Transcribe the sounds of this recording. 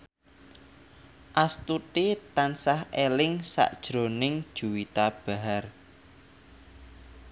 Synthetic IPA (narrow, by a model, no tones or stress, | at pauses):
ʔast̪ut̪it̪ansahʔelɪŋsa̰ʔd̥ʒ̥ɾonɪŋd̥ʒ̥uwit̪ab̥a̤ɦar